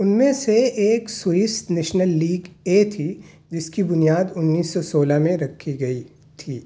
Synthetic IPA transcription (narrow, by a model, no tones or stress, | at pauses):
ʊnmẽseeːksʊɪst̪neːʃnəlːiːɡet̪ʰi | d͡ʒɪskibʊnijaːd̪ʊnːiːsːɔsoːlamẽɾɐkʰːiɡɐi | t̪ʰiː